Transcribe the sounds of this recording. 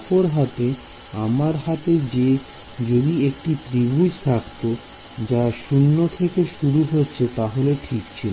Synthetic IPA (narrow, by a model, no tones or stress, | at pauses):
poɾɦat̪e | amaɾɦat̪ed͡ʑe | d͡ʑod̪iekʈipɾibʱud͡ʑt̪ʰakt̪o | d͡ʑaʃunːot̪ʰekeʃuɾuɦotːɕʰet̪aɦoleʈʰikt͡ɕʰil